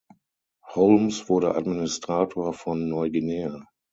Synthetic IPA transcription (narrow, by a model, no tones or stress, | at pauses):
hɔʊlmsv̥ʊɐɾəʔa̰dminɪstʁ̥aːtʰoːɐfɔnːɔʏɡineːɐ